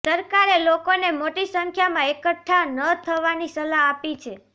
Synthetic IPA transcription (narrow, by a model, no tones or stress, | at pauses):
səɾkaɾelokonemoʈisəŋkʰjamãekəʈʰːanət̪ʰəʋanisəlaapit͡ʃʰe